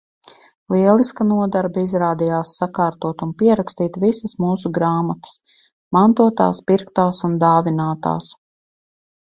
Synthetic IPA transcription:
lˠiɛlˠiskanuɔd̪aɾbaizɾaːd̪ijaːsːakaːɾt̪uɔt̪unpiɛɾakst̪iːt̪visəsmuːs̬uɡɾaːmat̪ə̥s | mant̪uɔt̪a̰ːspiɾkt̪aːsund̪aːvinaːt̪a̰ːs

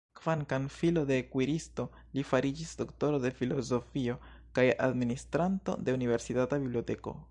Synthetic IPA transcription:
kv̥ankanfilo̞dekwiɾisto̞ | lifaɾid͡ʒisd̥o̞kto̞ɾo̞de̞filo̞zo̞fio̞ | kaja̰dministɾanto̞̰de̞unive̞ɾsitatabiblio̞te̞ko̞̰

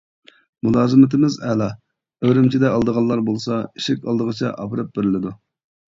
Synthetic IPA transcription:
mulˠɑːzɨmɪt̪ʰɪmɪzɛlɑ | øwɾɪmt͡ʃʰid̪ɛɑlˠd̪əʁɑlˠːɑɾbolˠsɑiʃɪkʲɑ̰lˠd̪əʁət͡ʃʰɛ̰ʔɑ̰pɨɾɨp̚bɪɾɪlɪd̪u

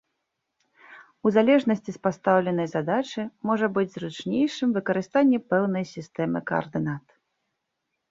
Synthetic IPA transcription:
uzalʲɛʐnɐsʲt͡sʲispast̪awlʲɛnɐjzad̪at͡ʂɨjmɔʐɐbɨd͡zʲzɾut͡ʂnʲejʂɨmvɨkɐɾɨst̪anʲːɛpɛwnɐjsʲist̪ɛmɨkɐ̰ɐ̰rd̪ɨnat̪

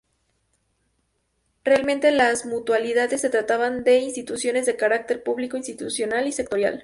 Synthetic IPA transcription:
realmẽnt̪elazmut̪waliðaðe̞sːe̞t̪ɾat̪aβand̪e̞inst̪it̪usjo̞ne̞zðe̞kaɾak̚t̪e̞ɾpuβliko̞inst̪it̪usjo̞nalise̞k̚t̪o̞ɾja̰l

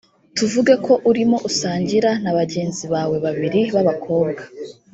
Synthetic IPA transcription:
tuvuɡeko̞ʔuɾimo̞ʔusaːɲɟiɾanaβaɟe̞ːnziβaːwe̞βaβiɾiβaβakʰo̞ːbɡa

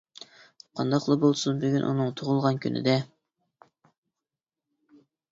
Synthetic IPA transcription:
qʰɑnd̪ɑqlˠɑbolˠsunbyɡʲynʔṵnɨŋt̪ʰoʁʊlˠʁɑnkʲʰynɪ̰d̪ɛ

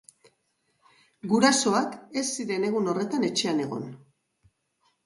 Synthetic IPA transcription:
ɡuɾaso̞ake̞sːiɾe̞ne̞ɣ̞uno̞re̞t̪ane̞t͡ʃe̞ane̞ɣo̞̰n

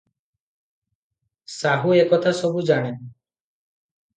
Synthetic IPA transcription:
saɦuekɔt̪ʰasɔbud͡ʒaɽ̃en

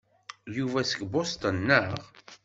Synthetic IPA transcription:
juvæsəkbost̪ənːəʁ

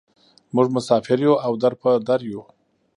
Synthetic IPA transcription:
mʊʐmʊsɑfɪɾjuawd̪aɾpəd̪aɾju

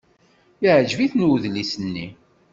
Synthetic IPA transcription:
iʕʒviθnuðlisənːi

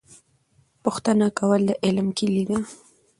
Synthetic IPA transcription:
poχt̪anakawalaʔelamkɪʎiɡɑ

